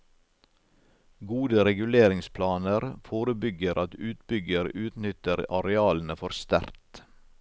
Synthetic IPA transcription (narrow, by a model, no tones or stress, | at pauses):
ɡuːd̪əɾɛɡʉleːɾɪŋspʰlɑːnəɾfoːɾəbʏɡəɾʔɑt̪ʉːt̪bʏɡəɾʉːt̪nʏt̪əɾɑɾɛɑːln̩əfɔɾst̪æ̰ɾt̪